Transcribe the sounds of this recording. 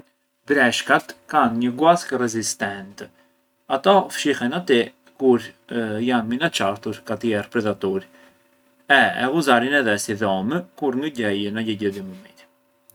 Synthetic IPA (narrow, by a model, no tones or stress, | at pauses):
d̪ɾɛʃkat̪kanɲəɡuaskərɛzist̪ɛnt̪ɛ | at̪ɔfʃihɛnat̪i | kuɾjanminat͡ʃaɾt̪uɾkat̪iɛɾpɾɛðat̪uɾ | ɛɛ̰ʁuzaɾinɛðɛsiðɔməkuɾŋɡəɟɛjənaɟɛɟɛd̪iməmit̪i̥